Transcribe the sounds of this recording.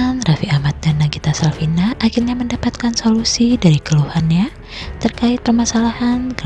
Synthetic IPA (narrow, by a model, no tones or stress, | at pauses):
nrafiamat̪̚danːaɡit̪asalfinaʔakɪrɲaməndapat̪̚kansolusidaɾikəluhanɲa | t̪ərkaɪt̪̚pərmasalahanɡə